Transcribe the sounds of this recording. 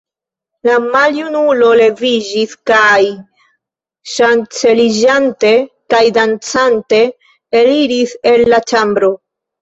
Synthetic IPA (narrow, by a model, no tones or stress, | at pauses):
lamaljunulo̞le̞vid͡ʒiskaj | ʃant͡se̞lid͡ʒante̞ | kajdant͡sante̞ | eliɾise̞lːat͡ʃambɾo̞